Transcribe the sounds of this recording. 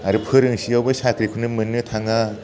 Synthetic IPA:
aɾɯpʰɯɾɯŋsiawbɯsakʰɾikʰunɯmɯnːɯtʰaŋa

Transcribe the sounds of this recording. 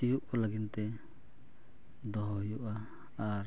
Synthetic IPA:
ijuʔlaɡint̪ɛ | d̪ɔɦɔjuʔa | aɾ

